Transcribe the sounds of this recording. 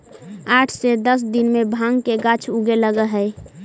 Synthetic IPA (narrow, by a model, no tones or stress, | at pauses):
aːʈʰsed̪əs̬d̪inmẽbʱaːŋɡkeɡat͡ʃʰuɡeləɡəɦə